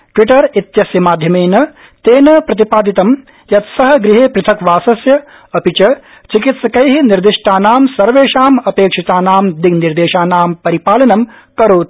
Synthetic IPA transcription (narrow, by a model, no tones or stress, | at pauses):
ʈwiʈɐɾit̪jɐsjɐmaːd̪ʱjɐmeːnɐ | t̪eːnɐpɾɐt̪̬ipaːd̪it̪ɐm | jɐt̪sɐɦɐ̆ɡɾiɦeːpɾɨt̪ʰɐkʋaːsɐsjɐ | ɐpit͡ʃɐ | t͡ʃikit̪sɐkɐjɦiniɾd̪iʂʈaːnaːmsɐɾʋeːʂaːmɐpeːkʂit̪aːnaːmd̪iɡniɾd̪eːʃaːnaːmpɐɾipaːlɐnɐm | kɐɾoːt̪̚